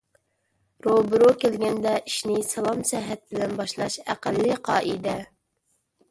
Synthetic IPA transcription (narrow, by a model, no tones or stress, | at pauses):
ɾobɾokʲelɡʲɛnd̪ɛʔiʃnɪsɑlˠɑmsɛɦɛt̪̚bɪlɛnbɑʃlˠɑʃæ̰qælːɨqʰɑːʔid̪ɛ